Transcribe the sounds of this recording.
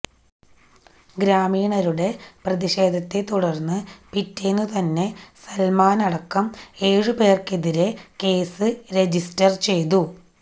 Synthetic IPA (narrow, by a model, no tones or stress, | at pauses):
ɡɾaːmiːɳɐɾuɽe̞prɐðiɕe̞ːd̪ʱɐt̪ːet̪uɽɐrnːɨpitːeːnːut̪ɐnːe̞sɐlmaːnɐɽɐkːɐme̞ːɻɨpe̞ːrkeðiɾe̞ke̞ːsɨɾe̞d͡ʑistɐrt͡ɕe̞jt̪u